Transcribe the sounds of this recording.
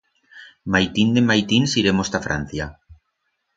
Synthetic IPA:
majt̪ind̪emajt̪insiɾemost̪afɾa̰n̟θja

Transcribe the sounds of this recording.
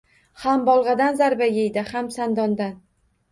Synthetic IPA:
hambɒlˠʁɑd̪anzaɾbajejd̪ɪhamsand̪ɒnd̪an

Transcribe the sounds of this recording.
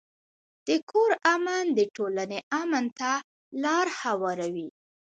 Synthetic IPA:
d̪̥əkʰoɾamand̪əʈolaneʔamənt̪a | lɑɾhawɑɾawi

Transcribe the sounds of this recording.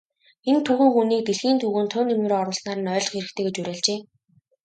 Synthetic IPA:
ent̪ʰːʊxɘ̆ŋxuniːk̚t̪eɮxiːnt̪uːɣɘ̆ːnt̪ʰʊːnemɘ̆ɾoɔɾʊ̆ːɮsnaːɾə̆nœːɮ̆χxeɾɘ̆xt̪ʰeːɡet͡ɕuɾʲæːɮt͡ɕeː

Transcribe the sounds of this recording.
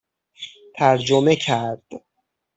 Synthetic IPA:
t̪ʰæɾd͡ʒome̞cʰæɾd̪̥

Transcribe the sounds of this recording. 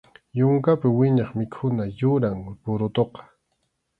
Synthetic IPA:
jʊŋkapɪwɪɲɑχmɪkʰʊnajʊɾaŋpʊɾʊt̪oqɑ̥

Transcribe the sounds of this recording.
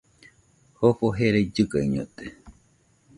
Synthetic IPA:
hoɸoɦeɾed͡ʒɨkaiɲot̪e

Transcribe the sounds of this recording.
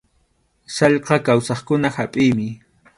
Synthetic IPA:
sɑʎqɑkawsɑχkʊnahapʼɪjmɪ

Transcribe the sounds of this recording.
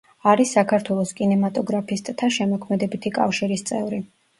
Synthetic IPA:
aɾisːakʰaɾt̪ʰwɛlˠɔskʼinɛmat̪ʼɔɡɾapʰist̪ʼt̪ʰaʃɛmɔkʰmɛd̪ɛbit̪ʰikʼa̰fʃiɾist̪sʼɛvɾi

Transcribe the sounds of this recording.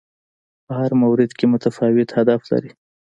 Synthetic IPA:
pəhaɾmawɾɪd̪kemʊt̪afɑwɪt̪had̪afla̰ɾi

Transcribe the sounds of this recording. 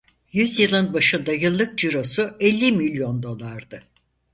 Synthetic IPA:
jyzjɯlˠɯnbaʃɯnd̪ajɯlˠːɯk̚d͡ʒiɾo̞suɛlʲːimilʲjo̞nd̪o̞lˠaɾd̪ɯ

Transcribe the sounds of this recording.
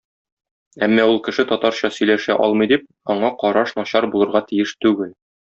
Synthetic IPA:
æmːɒulˠkɘ̆ʃɘt̪ɒt̪ɑɾɕɑsɵ̆jlæʃæʔɒ̰lˠmɤ̆jd̪ip̚ | ɒɴɑqɒɾɑʃnɒɕɑɾbulˠɤ̆ɾʁɑt̪ijɘʃt̪ʉɡɘl

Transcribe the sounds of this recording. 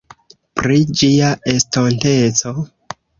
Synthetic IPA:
pɾid͡ʒiaestontet͡so̞

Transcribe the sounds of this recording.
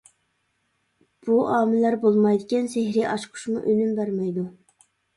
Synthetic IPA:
b̥uʔɑːmɪlæɾbolˠmɑjd̪ɪkʲɛnsehɾiʔɑʃqʰʊ̥ʃmuʔølymbæɾmɛjd̪u

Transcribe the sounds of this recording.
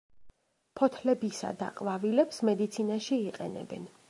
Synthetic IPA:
pʰɔt̪ʰlɛbisa̰d̪a̰qʼvavilɛpsmɛd̪it̪sʰinaʃiːqʼɛnɛ̰bɛ̰n

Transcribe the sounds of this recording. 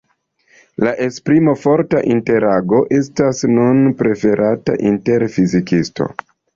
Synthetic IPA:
laʔe̞spɾimo̞fo̞ɾta̰ʔinte̞ɾaɡo̞ʔe̞s̬tasnunpɾe̞fe̞ɾʔata̰ʔinte̞ɾfizikisto̞̰

